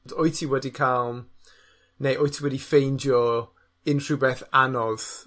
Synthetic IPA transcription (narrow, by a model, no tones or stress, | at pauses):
dɔjtʰiwɛdikʰalˠm | nejʔojtʰiwɛdifejndjɔ | ɪnʰr̥ubɛθanɔð̥